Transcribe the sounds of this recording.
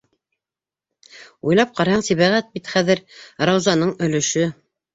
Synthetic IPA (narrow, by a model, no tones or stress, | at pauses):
ujlˠɑp̚qɑɾɑhɑɴsiβæʁæt̪̚bit̪χæðɘɾɾɑwzɑnɤɴɵ̆lɵ̆ʃɵ